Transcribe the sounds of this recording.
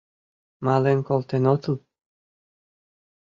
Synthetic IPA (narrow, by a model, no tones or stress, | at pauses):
mɑlenkolt̪enot̪əl